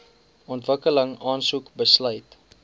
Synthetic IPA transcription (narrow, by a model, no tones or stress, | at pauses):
ɔntvəkələŋɑːnsukbəslœjt